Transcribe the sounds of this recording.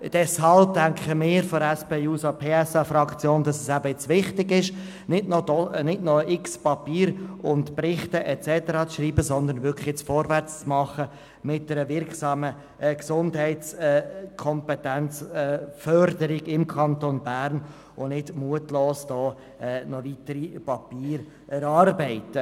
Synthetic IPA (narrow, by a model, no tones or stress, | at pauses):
d̥ɛshɑlb̚dæŋkχəmɪːɾfɔɾɛspeːuːsapʰeːɛsɑfɾɑkt͡sjoːnd̥ɑsɛsæbəɛt͡sʋɪχtɪɡɪʃ | nɪdnɔdɔnɪdnɔʔɪkspɑpiːɾʊntprɪχtəʔɛt͡sɛtəɾɑt͡sʃriːbəsɔnd̪əɾnvʏkʰχjɛt͡sfɔɾvæɾt͡st͡smɑχə | mɪt̚d̥ɛɾəvɪɾksɑːmə | ɛksʊndɦɛɪtt͡sɛkʰɔmpɛtænt͡sɛːfœɾdəɾiɡɪmkʰɑntonbæːɾn | ʊnɪdmuətloːsd̥ɔː | ɛːnɔʋit̪əɾipɑpiːɾ | ɛɾɑːɾbɛɪtə